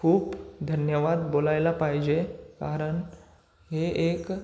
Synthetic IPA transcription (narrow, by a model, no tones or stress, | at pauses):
kʰuːpd̪ʱənjəʋad̪bolajlapaɦd͡ʑekaɾəɳ | ɦeʔek